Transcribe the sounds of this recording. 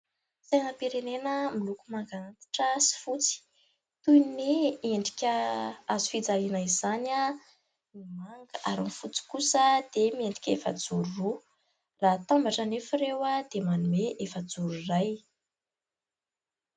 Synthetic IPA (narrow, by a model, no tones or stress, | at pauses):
sanəpiɾenenəmilukumaŋɡanat̪ḁʈ͡ʂəsi̥fut͡si̥ | t̪ujneeɳɖ͡ʐikʲəazufid͡zalinəizana | mimaŋɡəʔaɾinifut͡si̥kusəd̪̥emieɳɖ͡ʐikʲefəd͡zuɾuru | rat̪ambaʈ͡ʂənefiɾewad̪̥emanumeʔefəd͡zuɾuraj